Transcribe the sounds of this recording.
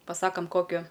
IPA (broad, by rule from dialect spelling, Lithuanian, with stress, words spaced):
pɐˈsɑːkɐm ˈkoːkʲʊ